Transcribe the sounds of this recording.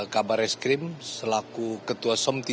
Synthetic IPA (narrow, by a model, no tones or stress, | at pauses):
kabaɾɛskɾɪmsəlakukət̪uasɔmt̪i